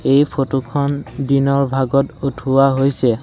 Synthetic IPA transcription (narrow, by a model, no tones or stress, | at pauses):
ejpʰotukʰɔndinɔɹbʱaɡɔtutʰuwaɦojsɛ